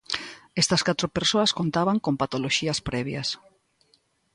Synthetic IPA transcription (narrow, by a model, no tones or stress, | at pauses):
est̪ɐskat̪ɾopeɾsoɐskont̪aβaŋkompat̪oloʃiɐspɾɛβjɐs